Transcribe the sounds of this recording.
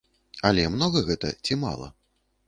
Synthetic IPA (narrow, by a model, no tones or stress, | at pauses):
ɐlʲɛmnɔɣɐɣɛt̪ɐ̰t͡sʲima̰lˠɐ̰